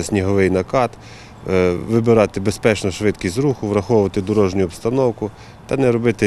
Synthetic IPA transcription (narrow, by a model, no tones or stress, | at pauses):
sʲnʲiɦɔʋɪjnɐkɑt̪ | ʋɪbɪɾɑt̪ɪbespɛt͡ʃnɔʃʋɪd̪kʲizɾuxʊʋɾɐxɔʋʊʋɐt̪ɪd̪ɔɾɔʒnʲʊːpst̪ɐnɔwkʊ | t̪ɐnɛɾɔbɪt̪ɪ